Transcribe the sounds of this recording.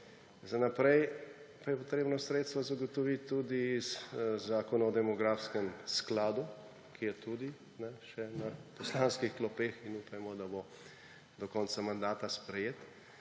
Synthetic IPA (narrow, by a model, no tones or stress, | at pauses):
zanapɾɛjpajɛpɔt̪ɾeːbnɔsɾet̪st̪ʋɔzaɡot̪ɔʋit̪ʲːud̪izzaːkɔnaɔd̪ɛmɔɡɾaːfskɛmsklaːd̪u | kʰijɛt̪ud̪i | nɛʃɛnɐpɔslanskixt̪lɔpeːxinuːpajmɔd̪abo | d̪ɔkɔntsamand̪aːt̪aspɾɛjeːt̪